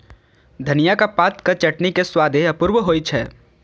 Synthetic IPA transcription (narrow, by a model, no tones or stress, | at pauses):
d̪ʱɐnijakapaːt̪kɐt͡ʃɐʈnikeswaːd̪ʱeɐpʊɾwəɦoːit͡ʃʰɛː